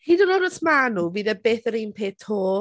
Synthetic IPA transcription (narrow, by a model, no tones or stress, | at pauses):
hidənɔdəsmanuviːðəbeːθəɾiːnpʰeːtʰoː